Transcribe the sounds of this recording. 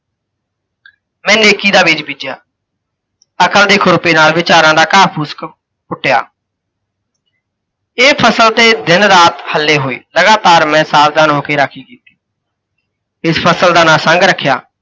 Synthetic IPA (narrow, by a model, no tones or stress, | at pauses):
mɛ̃ːneːkiːd̪aːbiːd͡ʒbiːd͡ʒja̰ː | əkəld̪eːkʰʊɾʊpeːnaːlʋɪt͡ʃaːɾãːd̪aːkaːpʰuːsk | kʊʈːɪja̰ː | eːpʰəsəlt̪eːd̪ɪnɾaːt̪həlːeːɦoːḛːləɡaːt̪aːɾmɛ̃ːsaːbd̪aːnoːkeːɾaːkʰiːkiːt̪i̥ː | ɪspʰəsəld̪aːnaːsə̃ŋɡɾəkʰːja̰ː